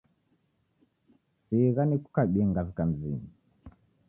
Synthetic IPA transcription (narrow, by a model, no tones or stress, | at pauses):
siɣaniku̥kaɓiŋɡavikam̩zḭɲi